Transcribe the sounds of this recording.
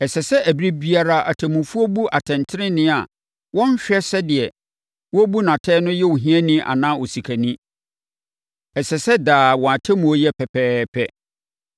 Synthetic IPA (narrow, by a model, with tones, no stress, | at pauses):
ɛ˨sɛ˨sɛ˦ʔæ˨bi˦ɾi˦bi˦a˦ɾa˦ʔa˨tʰɛ̃˨mũ˨fu˦ɔ˦bu˦ʔa˨tʰɛ̃˨ntʰɪ˦ɾɪ̃˦nɪ̃˦a˨ | wɔ̃˦n˦ɕᶣɛ˦sɛ˦dɪ˨ɛ˨ | wɔ˦bu˦nã˨tʰɛː˦nʊ̃˦jɛ˦wu˨ɦĩ˦ɛ˦nĩ˦ʔa̰˨nãː˦ɔ˨si˨kʰæ˨nĩ˦ | ɛ˨sɛ˨sɛ˦daː˨wɔ̃˨a˨tʰɛ˦mũ˨o˦jɛ˦pʰɛ˨pʰɛː˦pʰɛ˦